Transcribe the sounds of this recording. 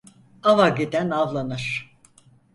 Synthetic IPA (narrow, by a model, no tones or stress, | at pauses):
avaɟed̪ænavlˠanɯɾ̥